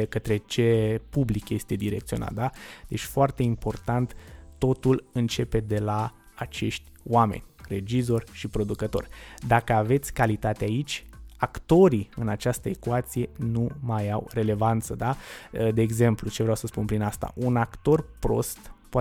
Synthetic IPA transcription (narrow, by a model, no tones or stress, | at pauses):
kət̪ɾe̞t͡ʃe̞publikje̞st̪e̞d̪iɾe̞kt̪sio̞na̰t̪̚d̪ad̪e̞t͡ʃʲfoart̪e̞impo̞rt̪ant̪ːo̞t̪ulɨnt͡ʃe̞pe̞d̪e̞la | at͡ʃe̞ʃt̪ʲoame̞̰nʲre̞d͡ʒizo̞rʲʃipɾo̞d̪ukət̪o̞̰rʲd̪akəave̞t̪sʲkalit̪at̪eait͡ʃʲakt̪o̞ɾiɨnat͡ʃast̪əekwat̪sije̞numajawre̞le̞vant̪səd̪ad̪e̞ːɡze̞mplut͡ʃe̞vɾeawsəspunpɾinast̪a̰ʔunakt̪o̞rpɾo̞̰st̪poa